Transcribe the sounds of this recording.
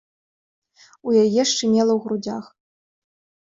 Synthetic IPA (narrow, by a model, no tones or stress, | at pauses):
ujajɛʂt͡ʂɨmʲɛlˠɐwɣɾud͡zʲax